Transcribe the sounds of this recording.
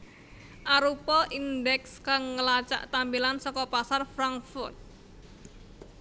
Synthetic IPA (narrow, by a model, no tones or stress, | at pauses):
ʔaɾupɔʔindɛkskaŋːəlat͡ʃa̰ʔt̪ambilansɔkɔpasarfɾaŋkfʊrt̪̚